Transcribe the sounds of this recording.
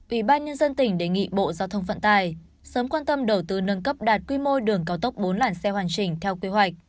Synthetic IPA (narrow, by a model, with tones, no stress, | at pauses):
ʔwi˧˩ɓaː˧nɲə˧nzə˧nt̪ï˧˩ŋ̟ɗe˧˨˩ŋḭ˧˨ɓo̰˧˨zaː˧wt̪ʰə˧wŋ͡mfə̰˧˨nt̪aː˧˩j | səː˨˦mkwaː˧nt̪ə˧mɗə˧˩wt̪ɨ˧nə˧nkə˦˥p̚ɗaː˨˩t̚kwi˧mo˧ɗɨ˨˩əŋkaː˨˦wt̪ə˦˥wk͡p̚ɓo˨˦nlaː˧˩nsɛ˧waː˨˩ŋt͡ɕï˧˩ŋ̟t̪ʰɛ˧wke˨˧ɦwa˨˩jk̟̚